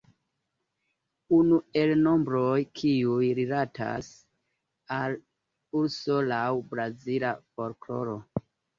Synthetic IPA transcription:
unue̞lno̞mbɾo̞jkʰiujɾilatʰa̰s | al | uɾso̞lawbɾazilafo̞ɾklo̞̰ɾo̞

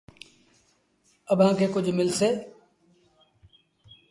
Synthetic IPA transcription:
əbɦãːkʰeːkʊd͡ʒʱmɪlseː

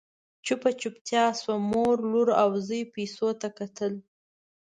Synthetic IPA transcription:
t͡ʃupat͡ʃupt̪jɑswamoɾluɾawzəjpesot̪akat̪əl

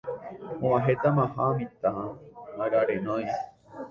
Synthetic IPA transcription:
õãɦet̪amãɦamĩt̪anaɡaɾenõj

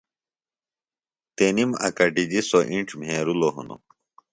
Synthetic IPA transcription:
t̪enimɐ̰kɐʈid͡ʑisoʔĩɳʈ͡ʂmɦeːɾuloɦṵno̰

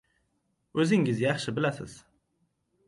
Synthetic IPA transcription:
ɵzɪŋɪzjɑχʃɪbɪlasɪ̰z̥

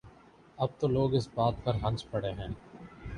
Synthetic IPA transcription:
ɐb̚t̪oloːɡɪsbaːt̪̚pɐɾɦɐ̃nt͡ʃpɐɽeɦɛ̃ː

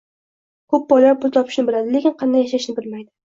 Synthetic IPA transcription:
kʰɵp̚bɒjlaɾpʊlˠt̪ʰɒpʰɪ̥ʃnɪbɪlad̪ɪlekʲɪnqʰɑnd̪ajaʃaʃnɪbɪlmajd̪ɪ

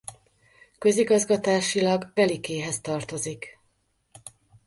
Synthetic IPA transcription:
kø̞ziɡɒzɡɒt̪aːʃilɒɡbɛlikeːɦɛst̪ɒrt̪o̞zik

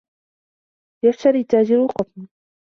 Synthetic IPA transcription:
jaft̪aɾiːt̪ːaːd͡ʒɪɾʊqɑt̪ˤn

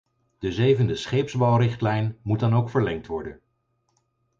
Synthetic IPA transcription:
d̥əzejvəndəsχejpzbɑwrɪχtlɛjnmut̚dɑnowkfəɹlɛŋk̚tʋɔɹdən

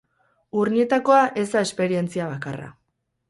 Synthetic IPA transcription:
urɲie̞t̪ako̞aʔe̞zd̪ae̞spe̞ɾie̞nt͡siaβakara̰

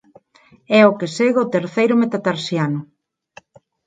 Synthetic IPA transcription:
ɛokɪseɣot̪eɾθejɾʊmet̪at̪aɾsjanʊ

